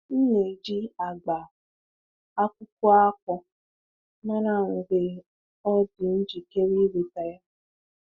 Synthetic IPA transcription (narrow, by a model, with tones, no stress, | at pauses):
n̩˦ne˨d͡ʒi˦a˨ɡ͡ba˨ | a˦kʷʊ˦kʊ˦a˦k̚ʷɔ˨ | na˦na˦˨ŋ̩˨ɡ͡be˨ | ɔ˦dʊ˨n̩˦d͡ʒi˨ke˦ɾi˦we˨ta˨˦ja˦